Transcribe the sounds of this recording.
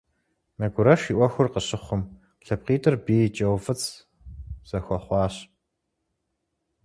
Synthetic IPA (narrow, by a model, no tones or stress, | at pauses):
mɐɡʷʊɾɐʃiːʔʷɔxʷʊrqəɕɪχʷʊm | ɬɐp̚qiːtʰʼɨrbiːt͡ʃʼɐwfɨt͡sʰ | z̥ɐxʷɐχʷɑːɕ